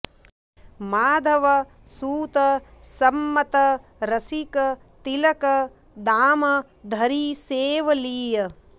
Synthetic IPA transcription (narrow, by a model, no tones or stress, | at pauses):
maːd̪ʱɐʋɐ | suːt̪ɐsɐmːɐt̪ɐɾɐsikɐ | t̪ilɐkɐ | d̪aːmɐ | d̪ʱɐɾiːseːʋɐliːjɐ